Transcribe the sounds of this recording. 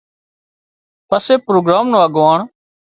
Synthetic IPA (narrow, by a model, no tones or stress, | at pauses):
pəseːpɾoːɡɾaːmnõːəɡʋaːɳ